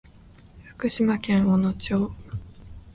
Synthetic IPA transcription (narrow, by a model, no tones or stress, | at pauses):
fɯ̟̥kɯ̟ɕimakẽ̞ɰ̃onot͡ɕoː